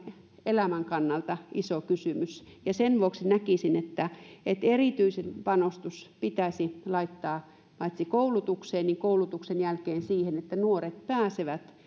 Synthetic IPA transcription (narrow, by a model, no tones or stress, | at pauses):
elæmæŋkɑnːɑlt̪ɑʔisokysymysjɑsenʋuoksinækisinet̪ːæet̪eriˑt̪yisenpɑnost̪uspit̪æsilɑit̪ːɑː | pɑit̪sikoulut̪ukseːnniŋkoulut̪uksenjælkeːnsiːhenet̪ːænuoret̪̚pæːseʋæt̪